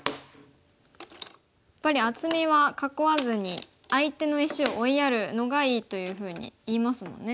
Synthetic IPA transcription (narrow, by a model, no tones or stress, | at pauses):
jjjapːaɾʲiat͡sɨmʲeβakako̞βazɨɲ̟i | ait̪e̞no̞iɕio̞ʔːijaɾɯ̟no̞ɡaiːt̪o̞jɯ̟ːɸɯ̟ːɲ̟ḭiːmasɨmõ̞̰nːe̞